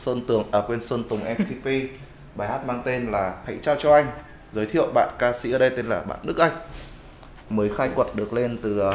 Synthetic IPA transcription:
səː˧nt̪ɨ˨˩əŋʔəː˧˩kwe˧nsəː˧nt̪ʊ˨˩ŋ͡mʔɛ˧t̪ʰi˧pi˧ | ɓaː˨˩jhaː˦˥t̚maː˧ŋt̪e˧nlaː˨˩ha̰˧˨jt͡ɕaː˧wt͡ɕɔ˧ʔa˧jŋ̟ | zəː˨˦jt̪ʰḭ˧˨əwɓa̰ː˧˨nkaː˧sḭ˧˥ʔəː˨˩ɗə˧jt̪e˧nlaː˨˩ɓa̰ː˧˨nɗɨ˦˥k̚ʔa˧jŋ̟ | məː˨˦jxaː˧jkwə˨˩t̚ɗɨ˨˩ək̚le˧nt̪ɨ˨˩

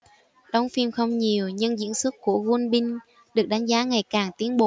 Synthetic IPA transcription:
ɗə˨˦wŋ͡mfi˧mxə˧wŋ͡mɲi˨˩əwɲɨ˧ŋzḭ˧˥ənsɨ˦˥k̚ku˧˩əɣu˧nɓï˧ŋ̟ | ɗɨ˨˩ək̚ɗa˨˦jŋ̟zaː˨˦ŋa˨˩jkaː˨˩ŋt̪i˨˦ənɓo˨

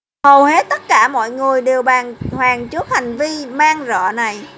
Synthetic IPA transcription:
hə˨˩whe˨˦˥t̪̚t̪ə˦˥t̚kaː˧˩mɔ̰˧˨jŋɨ˨˩əjɗe˨˩wɓaː˨˩ŋhwaː˨˩ŋt͡ɕɨ˦˥ət̚ha˨˩jŋ̟vi˧maː˧ŋzɔ̰ː˧˨na˨˩j

